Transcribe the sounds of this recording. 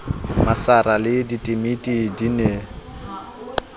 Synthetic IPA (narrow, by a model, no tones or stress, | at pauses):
masaɾalɪditʼimitʼidine